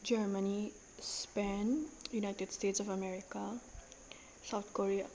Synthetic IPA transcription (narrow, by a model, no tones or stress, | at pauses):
d͡ʒəɾməni | spɛnjunajʈeɖsʈeːʈsɔfɐmɛɾika | saʊt̪ʰkoɾia